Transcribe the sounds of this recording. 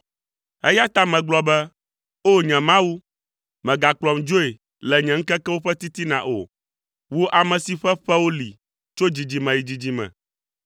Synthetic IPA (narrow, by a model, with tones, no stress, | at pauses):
ɛ̰˦ja˦t̪a˦mɛ̃˨ɡ͡blɔ˦bɛ˦ | o˦ɲɛ̃˨mã˦wu˦ | mɛ̃˨ɡa˨klɔ˨md͡ʒo˦e˨ | lɛ˨ɲɛ̃˨ŋ̩˦kɛ˦kɛ˦wo˦ɸɛ˦t̪i˦t̪i˦nã̰˨ʔo̰˨ | wo˦ʔa˨mɛ̃˨si˨ɸɛ˦ɸɛ˦wo˦lḭ˨ | t͡ʃo˦d͡ʑi˨d͡ʑi˨mɛ̃˨ji˨d͡ʑi˨d͡ʑi˨mɛ̰̃˨